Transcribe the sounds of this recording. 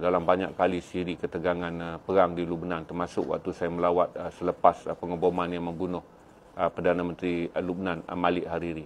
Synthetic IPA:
dalambaɲa̰kkalisiɾikət̪əɡaŋanpəɾaŋdilubnant̪ərmasʊ̰k̚wa̰k̚t̪usajaməlawat̪̚əsələpaspəŋəbomanjaŋməmbunʊh | əpərdanamə̃nt̪ɾilub̚nan̰malɪʔhaɾiɾi

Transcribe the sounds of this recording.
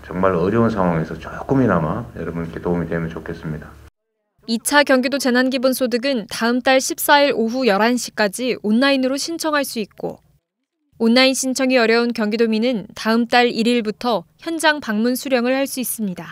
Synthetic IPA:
t͡ɕʌŋmaɾʌɾjʌunsʰaŋɦwaŋe̞sʰʌt͡ɕʌjk͈uminamajʌ̰ɾʌbʌnikʰetoumitemɯnt͡ɕokʰe̞s͈ɯmɲida | it͡ɕʰakjʌŋɡidot͡ɕe̞nanɡibunsʰodɯɡɯntaɯmt͈aɭɕʰip̚s͈aiɾoɦujʌɾanɕ͈ʰi̥k͈ad͡ʑionːainɯɾoɕʰint͡ɕʰʌŋɦaɭs͈uik̚k͈o̰ | onːainɕʰint͡ɕʰʌŋiʌɾjʌunkjʌŋɡidominɯntaɯmt͈aɭiɾiɭbutʰʌçjʌnd͡ʑaŋpaŋmunsʰuɾjʌŋɯɭhaɭs͈uis͈ɯmɲida

